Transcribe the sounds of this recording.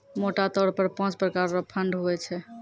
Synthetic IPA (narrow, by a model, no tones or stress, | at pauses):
moʈat̪ɔɾpəɾpãt͡ʃpɾəkaɾːəpʰəɳɖɦoɛt͡ʃʰɛ